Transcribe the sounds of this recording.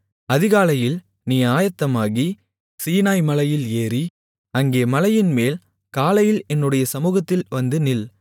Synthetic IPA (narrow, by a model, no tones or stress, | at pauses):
ɐðɪɣaːlɐjɪl | nijaːjɐt̪ːɐmaːɣi | siːnaːjmɐlɐjɪleːɾi | ɐŋɡeːmɐlɐjɪnmeːl | kaːlɐjɪlɛnːɯɽɐjɐsɐmuːɣɐt̪ːɪlʋɐnd̪ɯnɪl